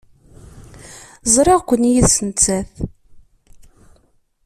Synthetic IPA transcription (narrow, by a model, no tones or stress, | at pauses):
zˤɾˤɑʁkʷənːjiðsənt͡sːæθ